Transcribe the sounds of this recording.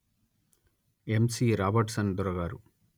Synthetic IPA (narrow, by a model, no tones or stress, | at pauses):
emsiːɾaːbɐɾʈsɐnd̪ɔɾɐɡaːɾu